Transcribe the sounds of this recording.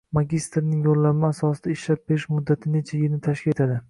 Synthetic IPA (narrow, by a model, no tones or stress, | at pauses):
maɡʲist̪ɾnɪŋjolːamɪasɒsɪd̪̥aɪʃlap̚beɪʃmʊd̪ːat̪ʰɪne̞t͡ʃʰajɪnɪt̪ʰaʃkʲe̞t̪ʰad̪ɪ